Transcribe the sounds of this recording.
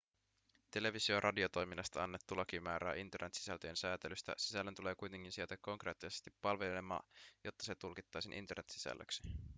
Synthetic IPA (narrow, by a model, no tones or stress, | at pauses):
t̪e̞le̞ʋisio̞rʔɑdio̞t̪o̞jminːɑst̪ɑɑnːet̪ːulɑkimæːɾæːʔint̪e̞rnet̪si̥sælt̪øje̞nsæːt̪elyst̪æ̰sisælːent̪uleːkujt̪e̞ŋ̟kinsiet̪ækkːo̞ŋkreːt̪ːisest̪ipːɑlʋelemɑ̰ːjot̪ːɑse̞t̪ulkit̪ːɑjsinʔḭnt̪e̞rnet̪si̥sæ̰lːø̰ksi̥